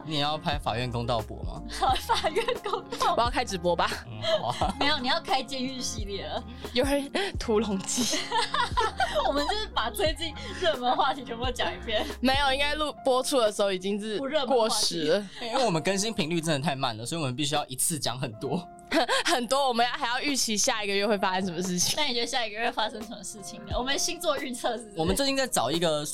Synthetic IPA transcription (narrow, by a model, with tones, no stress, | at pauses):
nɛ˨˩jɑ˥˩ʊpʰa˥ɪfa̰˨˩ɥɛ˥˩nkʊ˥ŋt̪ɑ˥˩ʊpwɔ̰˧˥ma̰˨˩˨fa˨˩ɥɛ˥˩nko˥ŋt̪ɑ˥wɔ˨˩jɑ˥˩ʊkʰa˥ɪʈ͡ʂɻ̩˨˩pwɔ˥ba˨ | me˧ɪjo˨˩ni˨˩jɑ˥˩ʊkʰa˥ɪt͡ɕjɛ˥y˥˩nɕi˧˥ljɛ˥˨˩lə˩ | jo˧˥ʊə˥˩t̪ʰu˧˥lʊ˧˥ŋt͡ɕi˥ | wɔ˨˩mə˦nt͡ɕt͡ɕo˥˧ʂɻ̩˥˩pa˨˩t̪ʰwe˥ɪt͡ɕi˥˧ŋɻə˥˩mə˧nxwa˥˩t͡ɕ̪ʰi˨˩ʈ͡ʂʰm˧˥jo˧˩t͡ɕjɑ˨˩ŋi˧˩pʰjɛ˥˧nme˧˥ɪjo˨ʊi˥ŋka˥ɪlu˥˧pwɔ˥t͡sʰu˥d̪ə˨˩ʂ̩˧˥xo˥˩ʊi˨˩t͡ɕi˥ŋʂɻ̩˥˧˩ɻə˥˩kwɔ˥˩ʂɻ̩˧˥˦i˥wwɔ˨˩mə˦kə˥nɕ̬i˥ŋpʰi˧˥ŋly˥˧ʈ͡ʂ̩˥˩ə˨˥t̪ʰa˥˧ɪma̰˥˩nlə˩swɔ˧˥i˨wɔ˨˩ə˦pi˥˩ɕ̬y˥jɑ˥˩ʊʔi˧˥t͡sʰɹ̩˥˩t͡ɕjɑ̰˧˥ŋxə˨˩nt̪wɔ˥ | xə˨˩nt̪wɔ˥wɔ˨˩mə̃˧˦nja˥˩xa˧˥ɪjɑ˥˧ʊy˥˩t͡ɕʰi˧˥ɕja˥˩i˨˩ɡə˧ɥɛ˥˧xwe˥˩ɪfa˥ɕɛ˥nʂə˧˦mə˧˦ʂ̬ɻ̩˥˩t͡ɕʰi˨˩ŋa˥˩ni˨˩t͡ɕɥɛ˧˥ə˧ɕja˥˩i˧ɡə˧ɥfa˥ʂə˥ŋʂə˧˦mə˦ʂɻ̩˥˩t͡ɕʰi˨˩ŋ˨˩wɔ˨˩mə˦˨˩ɕi˥nt͡swɔ˥˧y˥˧t͡sʰɤ˥˧wɔ˨˩mə˨˦t͡st͡ɕi˥nt͡sa˥˩ɪʈ͡ʂɑ˨˩ʊi˧˥ɡə˧